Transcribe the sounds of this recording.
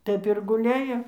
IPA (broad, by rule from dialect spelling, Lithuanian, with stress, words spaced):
ˈtɐɪp ɪr ɡʊˈlʲæːjoː